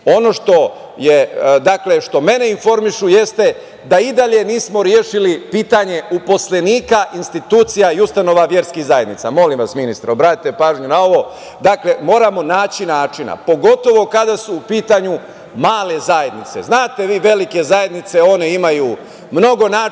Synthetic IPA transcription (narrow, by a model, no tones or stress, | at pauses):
o̞no̞ʃt̪o̞ | jed̪akle̞ʃt̪o̞me̞neinfo̞ɾmiʃuje̞st̪e̞ | d̪aid̪aʎe̞niːsmo̞ɾjeːʃilipiːt̪aɲe̞upo̞sleniːkaʔinst̪it̪uːt̪sijaiust̪ano̞ʋaʋje̞ɾskiɣzaje̞d̪nit̪samo̞limʋasminist̪ɾobɾaːt̪it̪epaːʒɲunao̞ʋo̞ | d̪akle̞mo̞ːɾamo̞naːt͡ɕinaːt͡ʃina̰po̞ɡo̞t̪o̞ʋo̞kad̪asuːpiːt̪aɲu | maːle̞zaje̞d̪nit̪se̞̰znaːt̪e̞ʋiːʋe̞like̞zaje̞d̪nit̪se̞o̞neimajuː | mno̞ɡo̞naː